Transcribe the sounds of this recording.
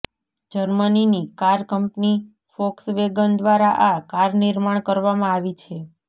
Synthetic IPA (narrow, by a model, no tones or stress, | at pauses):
d͡ʒəɾməninikaɾkəmpni | fɔksʋeɡənd̪ʋaɾaʔakaɾnɪɾmaɳkəɾʋamãaʋit͡ʃʰe